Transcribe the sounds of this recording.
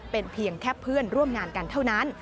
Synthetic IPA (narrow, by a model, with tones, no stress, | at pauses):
pe˧npʰi˧əŋkʰɛː˥˩pʰːɯː˥˩ənɾu˥˩əmŋaː˧nka˧nt̪ʰa˥˩wna˦˥n